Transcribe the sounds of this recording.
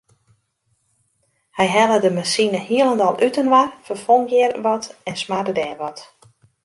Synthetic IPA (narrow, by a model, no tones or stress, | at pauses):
hɛjɦɛlədəmasinəhiəlˠəndɔlˠytənʋarfərfoŋɡɪərʋɔtɛnsmadədɛːʋɔt